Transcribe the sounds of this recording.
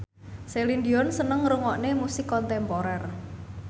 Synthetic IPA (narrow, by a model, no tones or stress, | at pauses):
selind̪iɔnsənəŋɾuŋɔʔnemusikɔnt̪ɛmpɔɾɛr